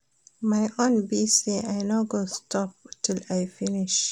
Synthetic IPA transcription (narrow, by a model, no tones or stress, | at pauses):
majʔõnbiseʔajnaʊɡostɔptʰɪlajfɪnɪʃ